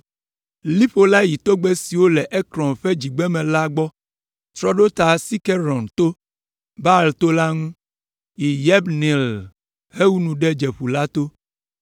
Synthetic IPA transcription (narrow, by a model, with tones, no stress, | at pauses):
li˦ɸo˦la˦ji˨t̪o˦ɡ͡bɛ˦si˨wo˦lɛ˨ʔɛ˦kɾɔ̃˨nɸɛ˦d͡ʑi˨ɡ͡bɛ˦mɛ̃˨la˦ɡ͡bɔ˦ | t̪ɾɔ˦ɖo˦t̪a˨si˦kɛ˦ɾɔ˨nt̪o˦ | ba˦˨lt̪o˦la˦ŋũ˦ | i˨jɛ˦bnĩ˨l | he˦wu˦nũ˨ɖɛ˦d͡ʒɛ˨ɸu˨la˦t̪o˦